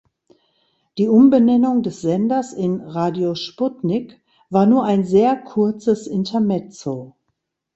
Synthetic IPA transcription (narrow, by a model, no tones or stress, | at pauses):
d̥iːʔʊmbənɛnʊŋdɛsz̥ɛndɐsɪnʁaːdjoʃpʊtnɪk | v̥aːɐnuːɐʔaɪnzeːɐkʰʊɐt͡səsʔɪntʰɐmɛt͡soː